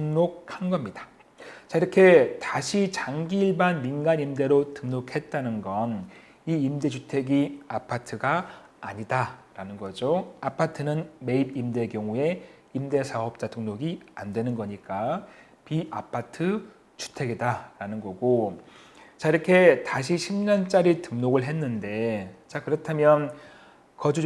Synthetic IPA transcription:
tɯŋnok̚hanɡʌmɲidḁ | t͡ɕaiɾʌkʰe̞taɕʰit͡ɕaŋɡiːɭbanminɡanimde̞ɾotɯŋnokʰe̞t̚t͈anɯnɡʌn | iːmde̞d͡ʑutʰe̞ɡiapʰatʰɯɡaː | ɲidaɾanɯnɡʌd͡ʑoapʰatʰɯnɯnme̞ibimde̞kjʌŋue̞ | imde̞sʰaɦʌp̚t͡ɕ͈atɯŋnoɡiandwe̞nɯnɡʌɲik͈a | piʔapʰatʰɯ | t͡ɕu̥tʰe̞ɡidaɾanɯnɡʌɡo | t͡ɕaiɾʌkʰe̞taɕ̬ʰiɕʰimɲʌnt͡ɕ͈aɾitɯmnoɡɯɭɦe̞nːɯnde̞t͡ɕakɯɾʌtʰamjʌn | kʌd͡ʑu

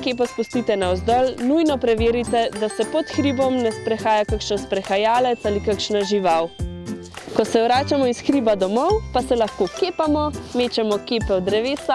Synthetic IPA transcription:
keːp̬ɔspust̪it̪ɛnaɔzd̪ɔlnujnɔpɾɛʋeːɾit̪ɛd̪asɛpɔt̪xɾibɔmnɛspɾɛxaːjakakʃɛnspɾɛxajaːlɛt̪saːlikakʃnaʒiʋaw | kɔsɛwɾaːt͡ʃamɔisxɾiːbad̪ɔmɔwpasɛlaxkokeːpamɔmeːt͡ʃɛmɔkeːpɛɔd̪ɾɛʋeːsa

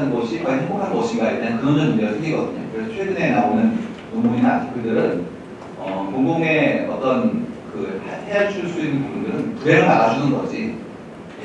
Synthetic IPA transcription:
nɡʌɕʰikaiɦʰeŋbokʰannɡʌɕʰiɡaiɭt͈eankɯɡʌnɯnɯd͡ʑeʌɡɯsʰeŋɡiɡʌdɯɲo̰kɯɾe̞sʰʌt͡ɕʰwe̞ɡɯne̞naonɯn | komuɲinakɯdɯɾɯn | ʌkoŋɡoŋe̞ʌt͈ʌnkɯhʰeaɭt͡ɕʰuɭs͈uinːɯnpubundɯɾɯnkueɾɯɭnaɡad͡ʑʰunɯnɡʌɕʰi

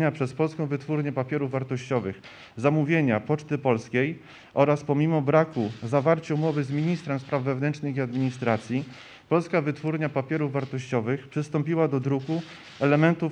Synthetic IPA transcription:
ɲapʂɛspɔlskɔ̃w̃vɘt̪fuɾɲɛpapʲjɛɾuvːaɾt̪ɔɕt͡ɕɔvɘx | zamuvʲjeɲapɔt͡ʂt̪ɘpɔlskʲej | ʔɔɾaspɔmʲimɔbɾakuzavaɾt͡ɕaumɔvɘzmʲiɲist̪ɾɛmspɾavːɛvnɛnt͡ʂʂnɘxiad̪mʲiɲist̪ɾat̪sʲji | pɔlskavɘt̪fuɾɲapapʲjɛɾuvːaɾt̪ɔɕt͡ɕɔvɘxpʂɘst̪ɔmpʲiwad̪ɔd̪ɾuku | ɛlɛmɛnt̪uf

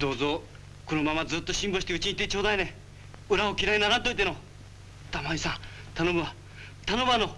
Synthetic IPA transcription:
d̪o̞ːzo̞ | kono̞mamad͡zzɨːt̪ːo̞ɕĩmboɕit̪eɯ̟t͡ɕiɲit̪e̞t͡ɕo̞ːd̪ainẽ | ɯ̟ɾaokʲiɾainaɾãt̪oit̪eno̞ | t̪amaisãt̪anobaa | t̪ano̞bano̞

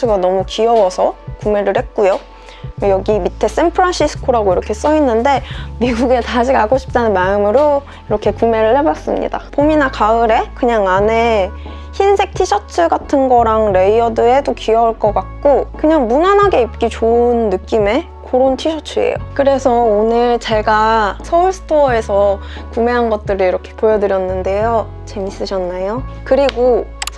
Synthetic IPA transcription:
ɯɡanʌmukiʌwʌsʰʌkume̞ɾɯɭhe̞t̚k͈ujo | jʌɡimitʰe̞s͈e̞mpʰɯɾanɕʰisʰɯ̥kʰoɾaɡoiɾʌkʰe̞s͈ʌinːɯnde̞miɡuɡe̞tad͡ʑiɡaɡoɕʰi̥p̚t͈anɯnmaɯmɯɾo | iɾʌkʰe̞kume̞ɾɯɭhe̞bas͈ɯmɲḭda̰pominakaɯɾe̞kɯɲaŋane̞ | çinsʰe̞k̚tʰiɕʰʌt͡ɕʰɯɡatʰɯnɡʌɾaŋɾe̞iʌdɯe̞dokiʌuɭk͈ʌk͈ak̚k͈okɯɲaŋmunanɦaɡe̞ip̚k͈it͡ɕoɯnːɯk͈ime̞ | koɾontʰiɕʰʌt͡ɕʰɯḛjo̰kɯɾe̞sʰʌonɯɭt͡ɕe̞ɡasʰʌuɭsʰɯ̥tʰoe̞sʰʌ | kume̞ɦanɡʌt̚t͈ɯɾiiɾʌkʰe̞̥pojʌdɯɾjʌnːɯnde̞jo | t͡ɕe̞mis͈ɯɕʰʌnːajokɯɾiɡo

